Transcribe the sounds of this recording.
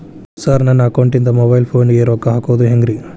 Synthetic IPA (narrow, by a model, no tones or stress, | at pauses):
saɾnɐnːɐkɐwɳʈind̪ɐmobɐjlpʰoːnɡeːɾokːɐɦaːkoʋd̪uɦeŋɡɾi